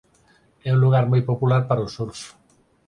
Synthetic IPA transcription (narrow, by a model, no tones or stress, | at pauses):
ɛũnluɣ̞aɾmojpopulaɾpaɾosuɾs